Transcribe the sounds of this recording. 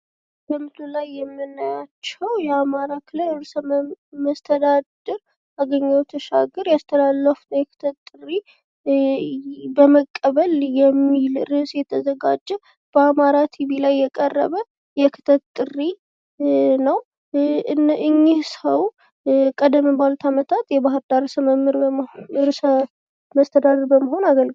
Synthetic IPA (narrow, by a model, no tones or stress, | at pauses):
bəmɨt̪ulajːɛmːɨnːajat͡ʃːɛwjɛamaɾakʰɨləɾɨɾsəməst̪ʰəd̪ad̪ɨɾ | aɡəɲːəwɛt̪ʰəʃa̰ɡɨɾjast̪ʰəlalːəfnəwjɛkʰɨ̥t̪ʰət̪ʼɨri | bəməkʼːəβəljɛmːilɾɨsjɛt̪ʰəzəɡad͡ʒːɛ | b̥əamaɾat̪ʰiβilajːɛkʼərːə̰βə | jɛkʰɨt̪ʰətt̪ʼɨri | nəw | ʔɨɲːihsəw | kʼəd̪əmbalut̪ʰamət̪ʰat̪jɛbaɦɨɾd̪aɾsəməmːɨɾɾsə | məst̪ʰəd̪ad̪əɾbəməɦo̞naɡəlɡ